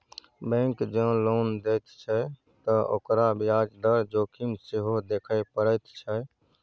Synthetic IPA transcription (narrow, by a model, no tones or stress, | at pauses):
bɛ̃kd͡ʒə̃lond̪et̪t͡ʃʰɛ | t̪əo̰kɾabiad͡ʒd̪əɾd͡ʒoːkʰimseɦod̪ekʰəɪpəɾəɪt̪t͡ʃʰɛ